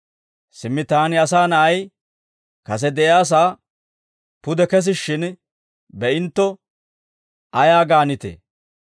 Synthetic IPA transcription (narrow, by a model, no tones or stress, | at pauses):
sɪmːɪt̪aːnɪɐsaːnɐʔɐj | kɐs̬ɛd̪ɛʔjaːs̬aː | pʊd̪ɛkɛs̬ɪʃːɪn | bɛʔɪnt̪ːɔ | ɐjaːɡaːnɪt̪ḛː